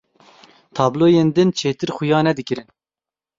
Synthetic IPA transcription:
t̪ʰɑːbloːjeːnd̪ɨnt͡ʃʰeːt̪ɨɾxʊjɑːnɛd̪ɨkɨɾɨn

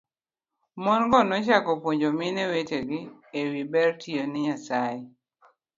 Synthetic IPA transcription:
mɔnɡɔnɔt͡ʃakɔpwoɲd͡ʒomineweteɡiewibɛɾtʰionɪɲasai

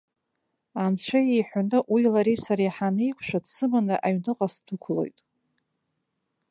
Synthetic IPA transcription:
ant͡ɕʷʰajejħʷanɨʔwiilaɾisaɾiħanɨjkʷʰʂʷᶣadsɨmanɨʔaɥnɨqʼasdʰukʷʰlo̞̰jtʼ

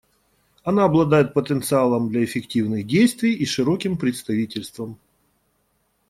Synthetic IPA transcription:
ɐnaɐblˠɐd̪ajɪt̪̚pət̪ənt̪sɨalˠəmd̪lʲɐɪfʲɪktʲivnɨɣdʲejst̪vʲɪjiʂɨɾokʲɪmpɾʲɪt̪st̪ɐvʲitʲɪlʲst̪vəm

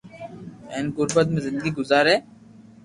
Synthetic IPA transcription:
ɛːnɡʊɾbət̪̬mẽzɪ̃nd̪əɡiɡʊzaːɾeː

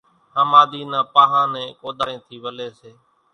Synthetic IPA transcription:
həmaːd̪iːnãːpaːɦãːnɛ̃ːkoːd̪aɾẽːt̪ʰiːʋəleːseː

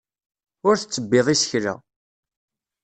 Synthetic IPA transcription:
ʊɾθət͡sːəbːeðˤisə̥çɾa̰

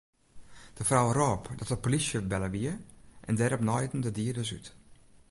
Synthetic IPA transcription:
d̥əfrawroːpdɔtəpolisjəbɛləʋiəʔɛndɛɾɔpnɔjdn̩dədiədəsy̰t

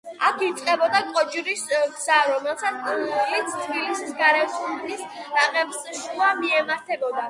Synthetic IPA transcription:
akʰit̪sʼqʼɛbɔd̪akʼɔd͡ʒiɾisɡz̥aɾɔmɛlˠsat̪slit̪sʰt̪ʰbilisisɡaɾɛsuisɾaʁɛbsʃuamiɛmaɾt̪ʰɛbɔd̪a

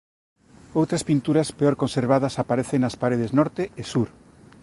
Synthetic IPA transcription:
owt̪ɾɐspint̪uɾɐspeɔɾkonseɾβaðɐsapaɾeθeŋnɐspaɾeð̞eznɔɾt̪eːsuɾ

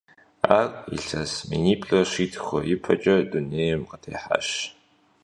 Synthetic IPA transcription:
aːrḭɬɐsmḭniːpʼɬʼɐʂiːtʰxɐjɪpʰɐt͡ʃʼɐduneːjɛmqətʰeːħa̰ʃ

